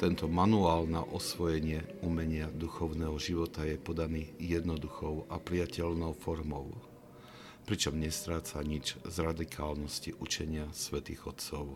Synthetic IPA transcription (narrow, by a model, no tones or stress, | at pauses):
t̪ɛnt̪ɔmanuaːlna̰ʔɔsʋɔjɛɲɪɛumɛɲɪad̪uxɔʊnɛːɦɔʒiʋɔt̪ajɛpɔd̪aniːjɛd̪nɔd̪uxɔʊapɾiacɛʎnɔʊfɔɾmɔʊ | pɾit͡ʃɔmɲɛst̪ɾaːt͡saɲid͡ʒzɾad̪ikʰaːlnɔsciʔut͡ʃɛɲɪasʋɛt̪iːɣɔt̪t͡sɔʊ